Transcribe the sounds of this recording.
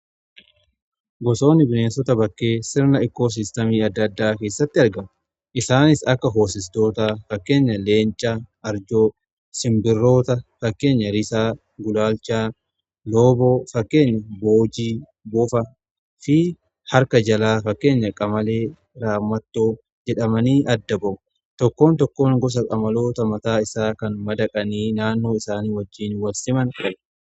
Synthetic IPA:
ɡɔso̞ːnːɪbɪneːnsɔt̪ɐbɐkːe̞ːsɪɾnɐɪkːo̞ːs̬ɪst̪ɐmiːɐd̪ːɐd̪ːaːke̞ːsːɐt̪ːɪɐɾɡɐm | ʔɪsaːnɪsɐkːɐɦo̞ːsɪst̪o̞ːt̪afɐkːe̞ːɲːɐle̞ːnt͡ʃʼːaɐɾd͡ʒoː | sɪmbɪrːo̞ːt̪ɐfɐkːe̞ːɲːɐɾɪsaː | ɡʊlaːlt͡ʃaː | loːboːfɐkːe̞ːɲːɐboːd͡ʒiː | bʊfɐ | fɪ | hɐɾkɐd͡ʒɐlaːfɐkːe̞ːɲːɐkʼɐmɐle̞ː | ɾaːmːɐt̪ːoː | d͡ʒɛᶑɐmɐniːʔɐd̪ːɐbɐʔʊ | t̪ɔkːo̞ːnt̪ɔkːo̞ːŋɡɔs̬ɐkʼɐmɐlo̞ːt̪ɐmɐt̪aːɪsaːkɐnmɐd̪ɐkʼɐniːnaːnːo̞ːɪsaːniːwɐd͡ʒːiːnwɐlsɪmɐnkʼɐb

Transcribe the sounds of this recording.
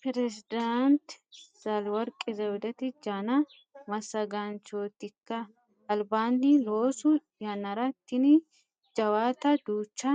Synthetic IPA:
pɛɾɛsɪd̪ant̪sɐlwɐɾkʼɪzɐwʊd̪ɐt̪ɪd͡ʒaːnɐ | mɐsːɐɡant͡ʃoːt̪ːɪkːɐ | ɐlbaːnːiloːsʊ | jɐnɐɾɐt̪ːɪnɪ | d͡ʒɐwaːt̪ɐd̪uːt͡ʃːɐ

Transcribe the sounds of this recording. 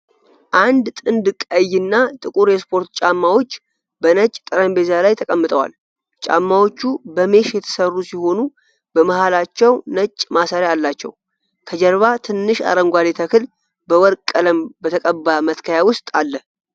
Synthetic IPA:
ʔand̪t̪ʼɨnd̪ɨkʼəjːɨnːat̪ʼɨkʼuɾjɛspʰo̞ɾt̪t͡ʃʼamːawo̞t͡ʃː | bənət͡ʃʼːt̪ʼəɾəmbe̞zalajt̪ʰəkʼəmːɨt̪ʼəwa̰l | t͡ʃʼa̰mːawo̞t͡ʃːubəme̞ʃjɛt̪ʰə̥sərːusiho̞nu | bəməhalat͡ʃːɛwnət͡ʃʼːmasəɾjaːlːat͡ʃːɛ̰w | kʰəd͡ʒɛɾβat̪ʰɨnːɨʃa̰ɾəŋɡʷalet̪ʰəkʰɨl | bəwɔɾkʼkʼːələmbət̪ʰəkʼəbamət̪kʰəjawʊst̪ʼalːə

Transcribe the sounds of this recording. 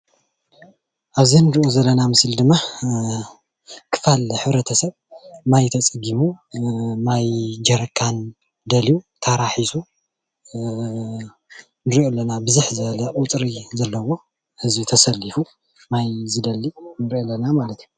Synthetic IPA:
ʔaβzinɨɾiʔozɐlːɐnamɨsld̪ɨmːa | kʰɨ̥falħɨβɾɐt̪ʰɐsɐβ | najt̪ʰɐt͡sʼɨɡimu | majd͡ʒɐɾɐkʰːan | d̪ɐliut̪ʰɐɾaħisu | nɨɾiʔolːɐnabɨzɨħzɐlɐʔʼʊt̪ʼɾizɐlːɐwo̞ | hɨzbit̪ʰɐsɐlːifu | majzɨd̪ɐlːinɨɾʔolːɐnamalɐt̪ju

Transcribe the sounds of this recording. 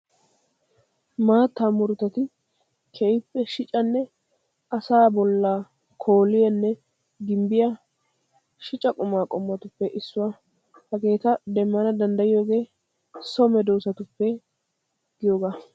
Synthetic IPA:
maːt̪ːamʊɾʊt̪ːɐt̪ɪ | kʰɛɪpːɛʃɪt͡ʃʼɐnːɛ | ɐsaːbɔlːaː | kʰo̞ːlɪjɐnːɛ | ɡɪmbɪjɐ | ʃɪt͡ʃʼɐkʼʊmaːkʼɔmːɐt̪ʊpːɛʔɪsːʊwa | hɐɡe̞ːt̪ɐd̪ɛmːɐnɐd̪ɐnd̪ɐjɪjoːɡe̞ː | sɔmɛd̪oːsɐt̪ʊpːɛ | ɡ̥ɪjoːɡaː

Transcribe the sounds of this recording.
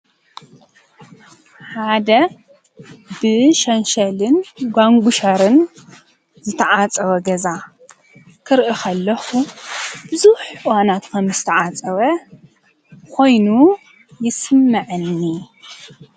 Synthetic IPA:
ħad̪ɐ | bɨʃɐnʃɐlɨnɡʷaŋɡʷuʃɐɾɨn | zɨt̪ʰɐʕat͡sʼɐwɐɡɐza | kʰɨɾʔixʰɐlːɐxub̥ɨzuħɨwanat̪kʰɐmzɨt̪ʰɐʕat͡sʼɐwɐ | kʰo̞jnu | jɪsɨmːɐʕɨnːi

